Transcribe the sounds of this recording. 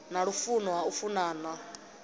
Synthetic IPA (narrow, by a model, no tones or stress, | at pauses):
naɺufunɔɦaufunaːna